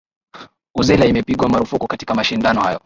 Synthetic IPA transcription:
uzɛlaimɛpiɠwamaɾufukukati̥kamaʃindanɔhajɔ

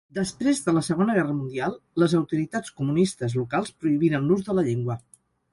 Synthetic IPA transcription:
d̪əspɾezðələsəɣ̞onəɣɛrəmund̪ialˠləzəwt̪uɾit̪at͡skumunist̪əzlukalˠspɾuiβiɾənluzðələʎeŋɡwə

